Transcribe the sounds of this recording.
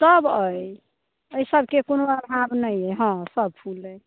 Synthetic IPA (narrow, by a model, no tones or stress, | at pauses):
səbəj | əjsəbʱkekonoəɾɦãbnəjəɦɔ̃səb̚pʰulːəj